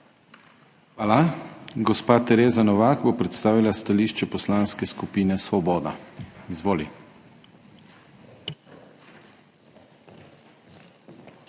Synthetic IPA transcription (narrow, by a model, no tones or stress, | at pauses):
xʋaːlaɡɔspaːt̪ɛɾeːzanɔʋaːkbopɾɛt̪st̪aːʋilast̪aliːʃt͡ʃɛpɔslaːnskɛskupiːnɛsʋɔbɔːd̪a̰izʋoːli